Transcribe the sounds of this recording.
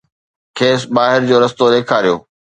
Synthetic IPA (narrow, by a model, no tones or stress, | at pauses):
kʰeːsbaːɦɪɾd͡ʑoːɾɐst̪oːɾekʰaːɾijo̰ː